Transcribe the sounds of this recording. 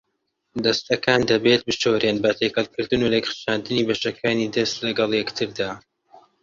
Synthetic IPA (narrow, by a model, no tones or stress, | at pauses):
d̪ɐst̪ɐkʰaːnd̪ɐbet̪̚bɨʃowɾenbɐt̪ʰekɐlˠkɨɾd̪ɨnuɾeɡχʃaːnd̪ɨniːbɐʃɐkʰaːnid̪ɐst̪lɐɡɐlˠjɛkt̪ʰɨɾd̪aː